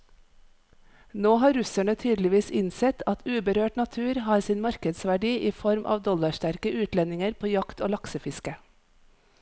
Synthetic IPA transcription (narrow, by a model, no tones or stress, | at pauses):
noːɦɑːɾʉsæɳət̪ʰyːd̪lɪʋiːsɪnsɛt̪ʰɑt̪ʰʉːbəɾøːʈnɑt̪ʰʉːɾhɑːɾsiːnmɑɾkəd̪sʋæɖiːʔiːfɔɾmʔɑ̰ːʋd̪ɔlɑʃʈæɾkəʔʉːt̪lɛnɪŋəɾpʰoːjɑkt̪oːlɑksəfɪskə